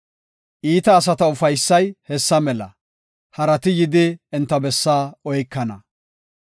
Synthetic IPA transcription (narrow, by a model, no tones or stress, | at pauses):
ʔiːt̪ɐːs̬ɐt̪ɐʊfɐjsːɐjhɛsːɐmɛlɐ̰ | hɐɾɐt̪ɪjɪd̪ɪɛnt̪ːɐbɛsːaːɔjkːɐnɐ